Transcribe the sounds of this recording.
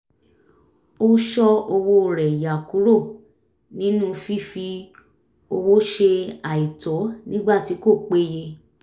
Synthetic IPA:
o˦ʃɔ˦o˧wo˧˦˨ɾɛ˨ja˨ku˨˦ɾo˦˨ | nĩ˨˦nũ˦fi˦fi˧ | o˧wo˦ʃe˧a˨i˨tɔ˨˦nĩ˦ɡ͡ba˦˨ti˨˦ko˦˨k͡pe˦je˧

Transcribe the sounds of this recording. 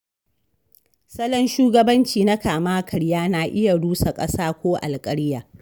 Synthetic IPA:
sɐ˦lɐ˦nʃuː˦ɡɐ˦bɐ˦nt͡ʃiː˨na˦kaː˨maː˦kʰɐ˨ɽjaː˦naː˨ʔɪ˦ja˨ɽuː˦sa˨kʼɐ˦saː˦kʷoː˦ʔa̰˨lkʼɐ˦ɽɪ˦jaː˨

